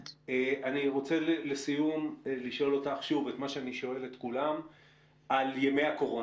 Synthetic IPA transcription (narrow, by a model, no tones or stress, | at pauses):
eʔaniʁo̞t͡se̞lelesijumeliʃo̞lo̞taχʃuve̞tmaʃeaniʃo̞e̞letkulam | ʔaljeme̞jako̞ʁo